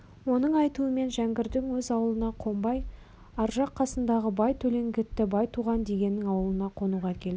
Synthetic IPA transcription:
wo̞nəɴɑjt̪uəme̞nʒæŋɡʲɪɾd̪ɪŋwɵzɑwəlˠənɑqʰo̞mbɑj | ɑɾʒɑqʰːɑsənd̪ɑʁəbɑjt̪ʰɵle̞ŋɡʲɪt̪ːɪbɑjt̪ʰuʁɑnd̪e̞ɡʲe̞nːɪŋɑwəlˠənɑqʰo̞nuʁɑkʲʰe̞ld̪ɪ

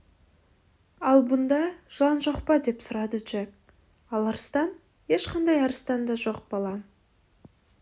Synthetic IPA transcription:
ɑlˠbʊnd̪ɑʒˠɑnʒo̞qpɑd̪e̞psʊɾɑd̪əd͡ʒek | ɑlˠɑɾəst̪ɑn | je̞ʃqʰɑnd̪ɑjɑɾəst̪ɑnd̪ɑʒo̞q̚b̥ɑlˠɑ

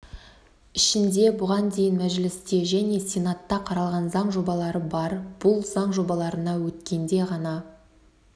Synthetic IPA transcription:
ɪʃɪnd̪e̞bʊʁɑnd̪e̞jɪnmæʒlɪst̪e̞ʒæne̞sʲenat̪ːɑqʰɑɾɑlˠʁɑnzɑɴʒo̞bɑlˠɑɾəbɑɾb̥ʊlˠz̥ɑɴʒo̞bɑlˠɑɾənɑwɵt̪kʲe̞nd̪e̞ʁɑnɑ

